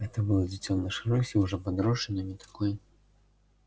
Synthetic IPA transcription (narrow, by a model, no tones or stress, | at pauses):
ɣɛt̪ɐbɨlˠɐd͡zʲit͡sʲːɔwnɐʂɨɾɔsʲiwʐɔpad̪ɾɔʂɨnɨmʲit̪ḁkɔj